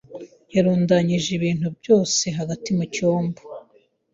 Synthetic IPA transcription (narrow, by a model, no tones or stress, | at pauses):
jaɾuːndaɲiʒiβiːn̥ubjo̞ːse̞ɦaɡatimucoːmbo